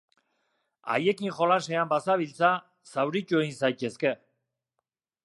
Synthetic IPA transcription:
a̰je̞kiŋxo̞lase̞ambasaβilt͡sa | sawɾit͡ʃuejnsajt̪e̞ske̞

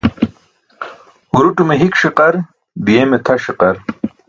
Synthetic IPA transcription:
uɾuʈumeɦikʂiqɐɾ | d̪ijemet̪ʰɐʂiqɐɾ

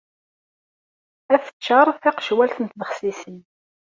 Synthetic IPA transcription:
æθə̥t͡ʃːɑɾˤθɪqʃwælθənt̪ðəχsisən

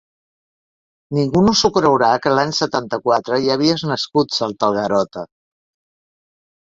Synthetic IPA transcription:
niŋɡunusukɾəwɾakəlaɲsət̪ant̪əkwat̪ɾəjəβiəznəskut̪salˠt̪əlˠɣəɾɔt̪ə

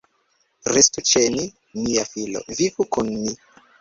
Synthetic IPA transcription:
ɾestut͡ʃeni | niafilo̰vivukunmi

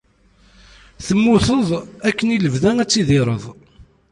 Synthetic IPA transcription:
θəmːʊθəðˤækːəniləvðæŋæt͡sːiðɪɾˤəðˤ

